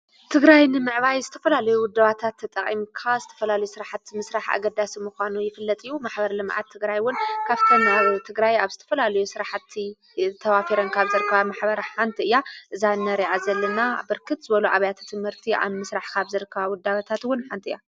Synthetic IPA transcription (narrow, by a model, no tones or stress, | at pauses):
t̪ʰɨɡɾajnɨmɨʕβajzɨt̪ʰɐ̥fɐlalɐjuwʊd̪ːaβat̪ʰat̪ʰːɐt̪ʼɐχʼimkʰazɨt̪ʰɐfɐlalɐjusɨɾaħat̪mɨsɾaħa̰ɡɐd̪asimuxʷanujɪfɨlːɐt̪ʼɨjːumaħbɐɾlɨmʕa̰t̪ʰːɨɡɾajwʊnkʰaβt̪ʰomaβt̪ʰɨɡɾajaβzɨt̪ʰɐfɐlalɐjusɨɾaħat̪ʰːi | t̪ʰɐβafiɾɐnkʰaβzɨɾɨkʰːɐβamaħbɐɾħant̪ʰiɨjːaʔɨzanːɐɾiʕazɐlːɐnabɨɾkʰɨt̪zɨβɐluʕaβɐjat̪ʰt̪ʰɨmhɨɾt̪ʰiʔa̰mɨsɾaħkʰaβzɨɾɨkʰːɐβawʊd̪ːaβat̪ʰat̪wʊnħant̪ʰiʔja